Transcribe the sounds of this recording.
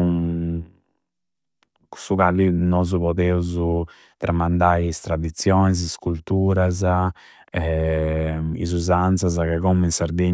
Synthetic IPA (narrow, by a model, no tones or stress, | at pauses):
ku̥sukalinɔːzupɔðɛuzu | t̪ɾʔamand̪ajɛst̪ɾad̪it̪sjɔniziskult̪uːɾaza | ɛ | ḭzuzant̪sazakɛɣɔminsaɾd̪e